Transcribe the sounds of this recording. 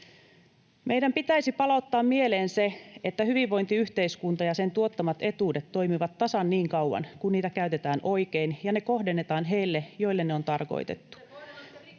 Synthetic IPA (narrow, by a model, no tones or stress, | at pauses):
mʔe̞jdæmpit̪æisipɑlɑut̪ːɑːmmie̞leːnse̞et̪ːæhyʋiʋːo̞jnt̪iyht̪e̞iskunt̪ɑjɑse̞nt̪uot̪ːɑmɑt̪e̞t̪uːde̞t̪to̞imiʋɑt̪ːɑsɑnːiːŋkɑuɑ̰nkunniːt̪ækæyɥt̪e̞t̪æːnʔo̞jke̞injɑneko̞ɦde̞nːe̞t̪ɑːnɦe̞jlːejo̞ilːenːeont̪ɑrko̰jt̪e̞̰t̪ːu̥